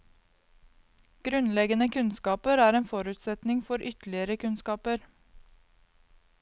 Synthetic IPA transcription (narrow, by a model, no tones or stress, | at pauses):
ɡ̥ɾʉnlɛɡənəkʰʉnskɑːpəɾæːɾeːnfɔɾʉːt̪sɛt̪nɪŋfɔɾʔʏt̪l̩ɪəɾəkʰʉnskɑːpəɾ